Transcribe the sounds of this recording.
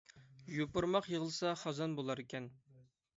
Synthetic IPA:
jopʊɾmɑqjəʁəlˠsɑχɑzɑnbolˠɑɾekʲɛn

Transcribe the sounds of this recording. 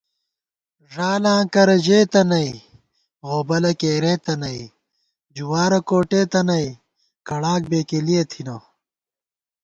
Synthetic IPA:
ʐaːlãːkɐɾɐʑeːt̪ɐnɐj | ɣoːbɐlɐkeːɾeːt̪ɐnɐi | d͡ʑuwaːɾɐkoːʈeːt̪ɐnɐj | kɐɽaːk̚beːkelijɐt̪ʰinoː

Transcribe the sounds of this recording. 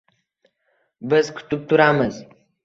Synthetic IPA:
bɨzkʰʊ̥t̪up̚t̪ʰuɾamɨz

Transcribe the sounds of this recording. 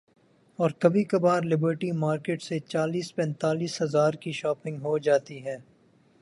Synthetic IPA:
ɔːɾkɐbʱikɐbaːɾlɪbəɾʈimaːɾkeːʈset͡ʃaːliːspɛ̃ːnt̪aːliːsɦɐzaːɾkiʃɔːpɪ̃ŋɡɦod͡ʒaːt̪iɦɛː

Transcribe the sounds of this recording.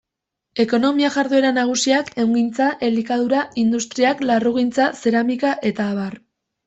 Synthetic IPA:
e̞ko̞no̞miaʝaɾðue̞ɾanaɣ̞usiake̞wŋɡint͡saʔe̞likað̞uɾaind̪ust̪ɾiaklaruɣ̞int͡sase̞ɾamikaʔe̞t̪aːβar

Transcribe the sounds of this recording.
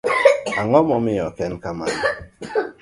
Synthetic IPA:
aŋɔmɔmiɔkɛnkaman

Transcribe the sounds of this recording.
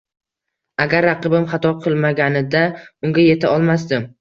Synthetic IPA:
aɡʲaɾːɑqɨbɪmχɑt̪ʰɒqʰɨlˠmaɡʲanɪd̪aʊŋɡʲaje̞t̪ʰaɒlˠmas̬d̪ɪm

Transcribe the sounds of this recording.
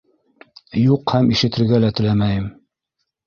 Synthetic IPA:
juqhæmiʃɘ̆t̪ɘ̆ɾɡælæt̪ɘ̆læmæjɘm

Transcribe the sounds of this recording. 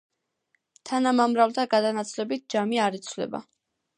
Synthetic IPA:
t̪ʰanamamɾalt̪ʰaɡad̪anat̪sʰlɛbit̪̚d͡ʒamiaɾit̪sʰvlɛ̰ba̰

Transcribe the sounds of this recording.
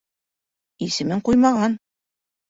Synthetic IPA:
isɘ̆mɘɴqujmɑʁɑn

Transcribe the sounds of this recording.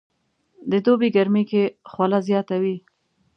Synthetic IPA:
d̪əd̪obeɡaɾmikexwalazjɑt̪awi

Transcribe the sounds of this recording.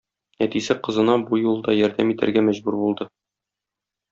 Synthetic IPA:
næt̪isɘqɤ̆zɤ̆nɑbujulˠd̪ɑjɒɾd̪æmit̪æ̰ɾɡæmæʑbuɾbulˠd̪ɤ

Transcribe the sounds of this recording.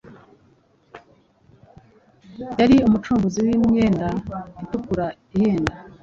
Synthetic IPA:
jaɾiumut͡ʃuːmɡuziwimŋeːndaitukuɾa | iheːnda

